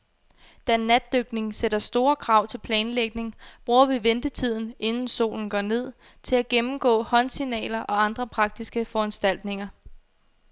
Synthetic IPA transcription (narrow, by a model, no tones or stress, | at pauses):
d̥ænːæd̥ːøɡ̥ne̝ŋseɾ̥ɐsd̥o̝ːɐkʰʁɑ̈ʊ̰t͡sʰe̝lpʰlɛːnleɡ̥ne̝ŋb̥ʁuːɐʋiʋend̥ət͡sʰið̞̰ˠn̩e̝nn̩so̝̰ːln̩ɡ̥ɒ̰ne̝ð̞̰ˠ | t͡sʰe̝læɡ̥emm̩ɡ̥ɔ̰̽ːhɒ̽nsinɛ̰ːlɐʔɒ̽ɑ̈nd̥ʁɐpʰʁɑ̈ɡ̥̚d̥isɡ̥əfɒ̽ænsd̥æl̰d̥ne̝ŋɐ